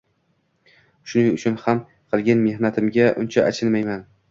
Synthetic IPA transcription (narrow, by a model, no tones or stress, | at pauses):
ʃʊnɪŋʊt͡ʃʰʊnham | qʰɨlˠɡʲanme̞hnat̪ʰɪmɡʲaʔʊnt͡ʃʰaʔat͡ʃʰɪlmajman